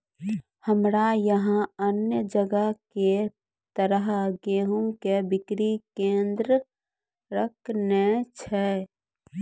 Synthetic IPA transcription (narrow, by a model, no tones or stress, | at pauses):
həmɾajəɦãənjəd͡ʒəɡəke | t̪əɾəɦɡeːɦũkebɪkɾikẽːnd̪ɾə | ɾəkʰnet͡ʃʰɛ